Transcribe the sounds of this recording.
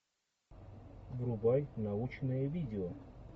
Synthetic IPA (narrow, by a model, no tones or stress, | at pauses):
vɾʊbajnaut͡ɕnɨjəvʲidʲɪo